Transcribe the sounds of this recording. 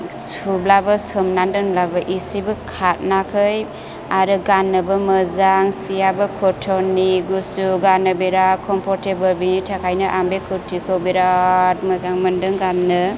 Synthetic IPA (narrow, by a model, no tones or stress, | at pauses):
sublabɯsɯmnandɯnblabɯʔisibɯkʰat̚nakʰɯj | aɾɯɡanːɯbɯməzaŋsijabɯkʰɔtʰɔnːiɡusuɡanɯbeɾakʰɔmpʰɔɾtebɯlbinitʰakʰajnɯʔambekʰɯtʰikʰɯwbeɾat̚məzaŋmɯndɯŋɡanːɯ